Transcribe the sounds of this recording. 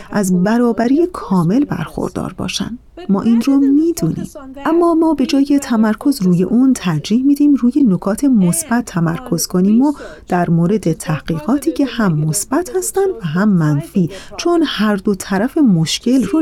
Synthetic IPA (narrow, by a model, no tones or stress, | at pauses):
ʔæzbæɾɒːbæɾiːjekʰɒːme̞lbæ̰ɾxo̰ɾd̪̥ɒ̰ːɾbɒ̰ːʃæ̰nd̪̥mɒ̰ːʔiːnromiːd̪uːnḭːmʔæmːɒːmɒːbe̞d͡ʒɒːje̞t̪ʰæmæɾkʰo̞zruːje̞̰ʔuːnt̪ʰæɾd͡ʒiːhmid̪iːmruːjenokʰɒːt̪ʰe̞mosb̥æt̪ʰːæmæɾkʰo̞z̥kʰoniːmod̪̥æɾmoːɾe̞d̪e̞t̪ʰæhɢ̥iːɣɒːt̪ʰiːcʰe̞hæmːosb̥æt̪hæst̪ænd̪væɦæmːænfiːt͡ʃʰonhæɾd̪ot̪ʰæɾæfe̞moʃcʰe̞lro